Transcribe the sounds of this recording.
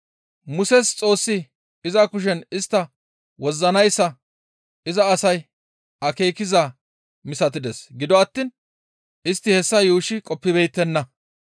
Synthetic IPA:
mʊsɛst͡sʼo̞ːsːɪ | ɪzɐkʊʃ̬ɛnɪst̪ːɐ | wɔzːɐnɐjsːɐ | ɪzɐːsɐj | ɐke̞ːkɪza | mɪsɐt̪ɪd̪ɛsɡɪd̪ɔɐt̪ːiːn | ɪst̪ːɪhɛsːɐjuːʃɪkʼɔpːɪbɛjt̪ːɛnːɐ

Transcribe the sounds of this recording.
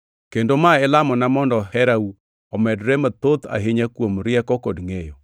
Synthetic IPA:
kendomaelamɔnamɔndɔhɛɾau | ɔmɛdɾemat̪ot̪a̰ɦɪɲakwomɾjɛkɔkodŋejɔ

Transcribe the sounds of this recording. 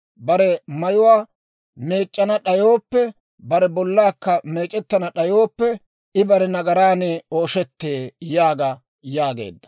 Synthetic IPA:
bɐɾɛmɐjʊwaː | me̞ːt͡ʃʼːɐnɐɗɐjoːpːɛ | bɐɾɛbɔlːaːkːɐme̞ːt͡ʃʼːɛt̪ːɐnɐɗɐjoːpːɛ | ʔɪbɐɾɛnɐɡɐɾaːneːo̞ːʃɛt̪ːeːjaːɡɐ | jaːɡḛːd̪ːɐ̥

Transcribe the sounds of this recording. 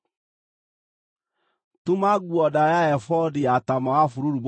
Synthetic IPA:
tumaɡuɔdajaɛfɔdiatamɔafuɾuɾub

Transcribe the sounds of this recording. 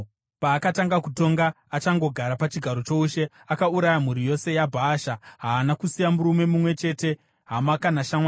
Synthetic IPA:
paːkataŋɡakuto̞ŋɡaːt͡ʃaŋɡo̞ɡʱaɾapat͡ʃiɡʱaɾo̞t͡ʃo̞uʃe̞ | akauɾajam̤uɾijo̞se̞jabʱaːʃaɦaːnakusijamuɾume̞mumwe̞t͡ʃe̞te̞ | ɦamakanaʃamwaːn

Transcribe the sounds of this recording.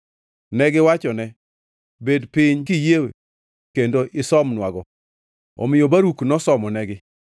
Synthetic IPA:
nɛɡɪwat͡ʃɔnɛ | bedpɪɲkɪjewe | kendoʔɪsɔmnwaɡɔ | ɔ̰mɪjobaɾuknɔsɔmɔnɛɡɪ

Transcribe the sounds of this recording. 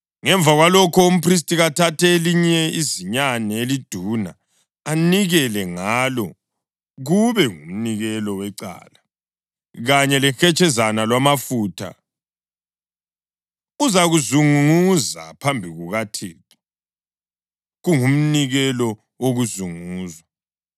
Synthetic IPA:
ŋɛɱb̪vʱaɣwalɔkʰɔum̩pʰris̬tʼiɣatʰatʰɛeliɲɛiziɲanɛelid̥ʱuna̰ː | niɣɛlɛŋalɔ | ɣuβɛŋum̩niɣɛlɔwɛǀa̰ːla | ɣaɲɛlɛxɛt͡ʃʼɛzanalwamafuːtʰa̰ | uzaɣuzuŋuza̰pʰambʱiɣuɣatʰiːki | ɣuŋum̩niɣɛlɔ | oɣuzuŋuːzwa

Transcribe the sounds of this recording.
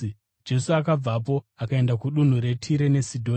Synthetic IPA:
d͡ʒe̞suakab͡vap̬o̞akae̞ndakuɗun̤uɾe̞tʰiɾe̞ne̞sidʱo

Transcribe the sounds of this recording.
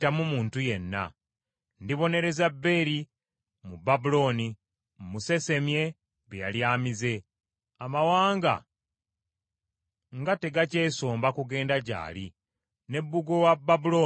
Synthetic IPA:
tamumuːntuje̞nːa̰ | ndiβo̞ne̞ɾe̞zabːe̞ɾi | mubabulo̞ːni | muse̞se̞mje̞ | βeja̰ljaːmize̞ | amawaːŋɡa̰ | ŋɡate̞ɡace̞ːso̞ːmbakuɡe̞ːndaɟa̰ːli | ne̞bːuɡo̞wababulo̞ː

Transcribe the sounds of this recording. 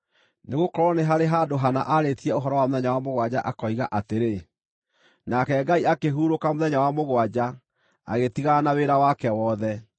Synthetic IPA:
neɣokɔɾɔneɦaɾeɦadoɦana̰ʔaɾetiɛoɦɔɾɔwamoðɛɲawamoɣwad͡ʑaʔakɔiɣaʔateɾe | nakɛɡaiakeɦuɾokamoðɛɲawamoɣwad͡ʑa | a̰ɣetiɣanaweɾawakɛwɔðɛ

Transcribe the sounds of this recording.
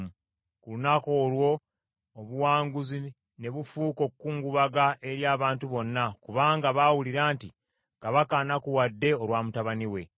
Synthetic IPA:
kulunako̞ːlwo̞ː | βuwaːŋɡuzi | ne̞βufuːko̞kkːuːŋɡuβaɡaʔe̞ɾjaːβaːntuβo̞nːakuβaːŋɡaβaːwuliɾaːnti | kaβakanakuwadːe̞o̞lwaːmutaβaniwe̞̰

